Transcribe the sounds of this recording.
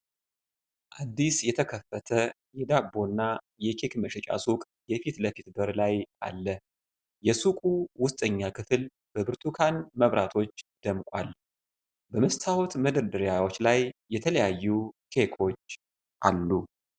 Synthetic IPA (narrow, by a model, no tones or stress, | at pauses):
ʔad̪ːisjɛt̪ʰəkʰəfːət̪ʰə | jɛd̪abːo̞nːa | jɛkʰekməʃɛt͡ʃʼa̰sukʼ | jɛfit̪ləfit̪bəɾlaja̰lːə | jɛsukʼuwʊst̪ʼəɲːakʰɨfɨl | b̥əbɨɾt̪ʰukʰanməβɾʔat̪ʰo̞t͡ʃːd̪̥əmkʷʼwa̰l | bəməst̪ʰawɔt̪məd̪əɾd̪ɨɾjawo̞t͡ʃːlajːɛt̪ʰələjajːukʰe̞kʰo̞t͡ʃː | ʔalːu